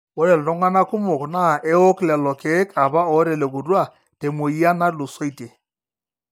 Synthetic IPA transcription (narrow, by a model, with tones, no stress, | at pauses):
wɔ˦ɾɛ˨ltɔ˦ŋa˦na˦kʊ˦mɔ˨kna˦˨ʔɛ˦ɔ˦klɛ˨lɔ˨ke˨˦kʰa˨βa˦ɔ˨˦ɾɛ˨lɛ˨k̬ʊ˨ɾwa˦˨ | te˨mo˨i˦a˦na˦lʊ˨sɔ˦i˨te˨